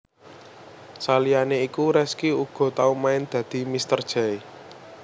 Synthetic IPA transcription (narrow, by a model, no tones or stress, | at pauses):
salijaneikuɾɛskiuɡ̥ɔ̤t̪aumaɪnd̪̥ä̤d̪̥i̤mist̪ərd̥ʒ̥a̤e